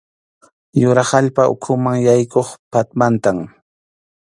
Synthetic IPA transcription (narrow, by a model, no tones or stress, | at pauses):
jʊɾahaʎpaʊ̰kʰʊmaŋjajkoχpat̪mant̪am